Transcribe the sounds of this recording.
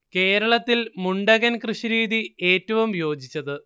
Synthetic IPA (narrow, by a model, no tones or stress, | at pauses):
ke̞ːɾɐɭɐt̪ːilmuɳɖɐɣɐnkrɨʂiɾiːd̪ie̞ːtːɐʋumjo̞ːd͡ʑit͡ɕːɐðɨ